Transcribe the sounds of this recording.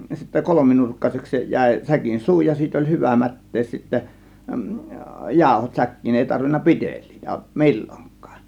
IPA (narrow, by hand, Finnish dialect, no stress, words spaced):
sitːæ kolominurkːɑseks se jæˑe̝ sækin suː jɑ siːt olʲ hyʋæ mætːeːs sitːæ jɑˑo̝hot sækːiːn eˑi tɑrʋinːɑ pi̞tel̆ʲliːtæ̥ mi̞lʲːoŋkˑɑ̥ːn̥